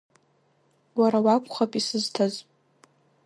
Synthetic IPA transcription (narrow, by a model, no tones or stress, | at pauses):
waɾawakʷʰχapʼisɨztʰazʼ